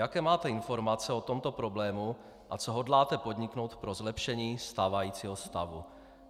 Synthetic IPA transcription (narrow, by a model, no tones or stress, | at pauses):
jakɛːmaːt̪ɛɪnfo̞ɾmat͡sɛot̪o̞mt̪o̞pɾo̞blɛːmu | ʔat͡soɦodlaːt̪ɛpo̞d̪ɲikno̞wt̪pɾozlɛpʃɛɲiːst̪aːvajiːt͡siːɦost̪avu